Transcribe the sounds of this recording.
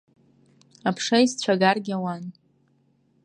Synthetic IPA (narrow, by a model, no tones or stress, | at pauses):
apʰʂajzt͡ɕʷʰaɡarɡʲawan